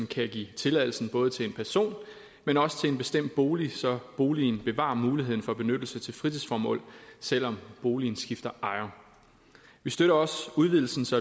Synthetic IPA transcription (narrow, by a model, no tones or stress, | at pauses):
n̩kʰæɡ̥ḭːt͡sʰe̝læðˠl̩sn̩b̥ɔ̽ːð̞̩ˠt͡sʰe̝le̝npʰæɐso̝̰ːn | menɒ̽sə̥t͡sʰe̝e̝nb̥e̝sd̥em̰d̥̚b̥o̝ːlisɒ̽b̥o̝ːlinb̥e̝ʋɑ̰̈muːliɦeð̰ˠn̩fɒ̽b̥e̝nød̥l̩sət͡sʰe̝lfʁit͡sʰisfɒːmɔ̰̽ːl̰sel̰ɒ̽mb̥o̝ːlin̩sɡ̥ifd̥ɐʔɑ̈ɪɐ | ʋisd̥øɾɐɒ̽suðˠʋið̰ˠl̩sn̩sɑ